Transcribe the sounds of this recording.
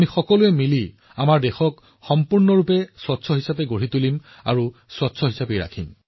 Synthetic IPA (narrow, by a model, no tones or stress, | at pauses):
mixɔkɔlʊɛmili | amaɹdɛxɔk | xɔmpuɹnɔɹupɛswɔtsʰɔɦisapɛɡoɹitulim | a̰ɹuswɔtsʰɔɦisapejɹa̰kʰim